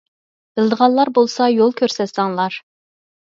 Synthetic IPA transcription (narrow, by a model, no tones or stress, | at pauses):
b̥ɪlˠd̪əʁɑllˠɑɾbolˠsɑjolˠkʲʰøɾsɛt̪sɑŋlˠɑɾ